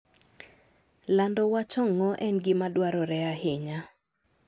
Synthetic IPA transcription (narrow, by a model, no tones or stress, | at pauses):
landɔwat͡ʃɔŋːɔʔɛnɡɪmadwaɾɔɾɛaɦɪɲa